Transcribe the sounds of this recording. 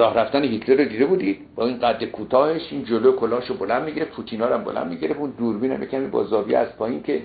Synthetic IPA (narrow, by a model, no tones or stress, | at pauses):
ɾɒːhɾæft̪æneɦit̪ʰleɾod̪iːd̪ebuːd̪id̪̚bɒːiːnɢæd̪ːekʰuːt̪ʰɒːheʃind͡ʒolojkʰolɒːʃobolænd̪̚miɟiɾepʰut̪ʰiːnɒːɾæmbolʔæ̰nd̪miɟeɾefund̪uːɾbiːnæ̰mjecʰæmibɒ̰ːzɒːbiæ̰st̪̚pʰɒːincʰe